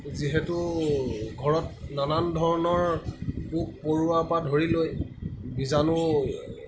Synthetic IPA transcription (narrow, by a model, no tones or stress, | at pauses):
ziɦɛtʊ | ɡʱɔɹɔt̚nanandʱɔɹɔnɔɹpuk̚poɹuapadʱoɹilojbizanʊ